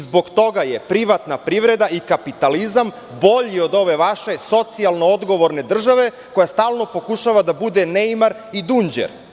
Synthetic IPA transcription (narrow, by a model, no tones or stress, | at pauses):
zbo̞ɡt̪o̞ɡajepɾiʋat̪napɾiʋɾe̞d̪aʔikapit̪alizam | bo̞ʎiod̪o̞ʋe̞ʋaʃe̞so̞t̪sialˠnood̪ɡo̞ʋo̞ɾne̞d̪r̩ʒaʋe̞ | ko̞jast̪aːlˠno̞po̞kuʃaʋad̪abud̪enejmaɾ | id̪und͡ʑḛɾ